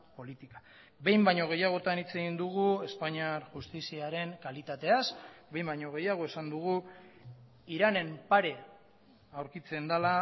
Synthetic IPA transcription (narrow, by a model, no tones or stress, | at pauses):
po̞lit̪ikḁ | be̞jmbaɲo̞ɣ̞e̞jaɣ̞o̞t̪anit͡se̞ɣind̪uɣ̞ue̞spaɲiaɾʝust̪isiaɾe̞ŋkalit̪at̪e̞asbe̞jmbaɲo̞ɣ̞e̞jaɣ̞o̞esand̪uɣ̞u | iɾane̞mpaɾe̞ | awɾkit͡se̞nd̪ala